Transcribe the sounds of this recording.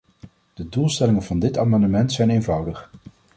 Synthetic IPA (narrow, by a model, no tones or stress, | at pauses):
d̥ədulˠstɛlɪŋənvɑndɪtaːmɑndəmɛntsɛjnejnvʌwdəχ